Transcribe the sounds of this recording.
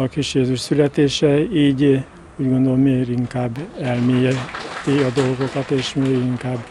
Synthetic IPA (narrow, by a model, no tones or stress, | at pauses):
ɒkiʃeːzyʃsylɛt̪eːʃɛiːɟ | uːɟɡo̞nd̪o̞lomeːɡɾiŋkaːbːɛlmeːjɛt̪iɒd̪o̞lɡo̞kɒt̪eːʃmeːɡiŋkaːb